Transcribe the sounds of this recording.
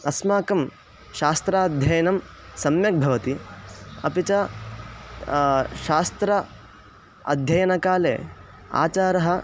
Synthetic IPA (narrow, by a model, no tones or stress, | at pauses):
ɐsmaːkɐm | ʃaːst̪ɾaːd̪ʱjɐjɐnɐm | sɐmjɐk̚bʱɐʋɐt̪iɐ̰pit͡ʃɐ | ʃaːst̪ɾɐ | ɐ̰d̪ʱjɐjɐnɐkaːleː | a̰ːt͡ʃaːɾɐɦɐ̆